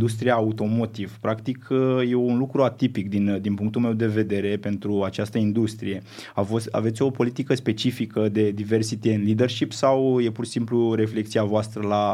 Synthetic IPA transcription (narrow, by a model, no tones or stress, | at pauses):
d̪ust̪ɾijaːut̪o̞mo̞t̪iv̥pɾakt̪ikje̞unlukɾuat̪ipik̚d̪ind̪inpuŋkt̪ulme̞wd̪e̞ve̞d̪e̞ɾe̞pe̞nt̪ɾuat͡ʃast̪əind̪ust̪ɾḭje̞afosa̰ve̞t̪sʲo̞po̞lit̪ikəspe̞t͡ʃifikəd̪e̞d̪ive̞rsit̪eɨnlid̪e̞rʃipsawje̞purʃi̥simpluɾe̞fle̞k̚t̪siavoast̪ɾəla